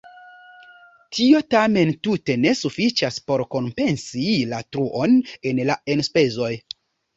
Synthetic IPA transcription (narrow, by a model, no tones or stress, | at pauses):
tʰio̞tame̞ntute̞ne̞sufit͡ʃaspo̞ɾko̞mpe̞nsilatɾuʔo̞ne̞nlae̞nspe̞zo̞j